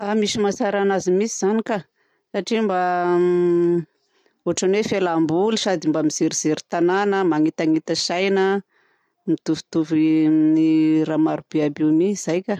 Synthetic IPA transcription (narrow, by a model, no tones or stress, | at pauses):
amisimasaɾanazimisiz̥anika | saʈ͡ʂimba | oaʈ͡ʂanwefelambulisad̪imbamiz̥iɾiz̥iɾi̥t̪ananəmaŋit̪aŋit̪əsajnə | mit̪uvu̥t̪uviniɾamaɾub̥eabimiiz̥ajkʲa